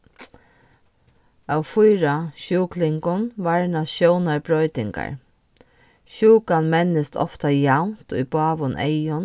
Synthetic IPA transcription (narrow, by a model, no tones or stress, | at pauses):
awfʊjɾaʃuːklɪŋkʊnʋaɹnaʃjownaɹbɾɔjt̪ɪŋka̰ɹ | ʃuːkanmɛnːɪst̪ʰɔ̰ft̪ajawnt̪ʊ̰jbɑːʋʊnʔḛjʊn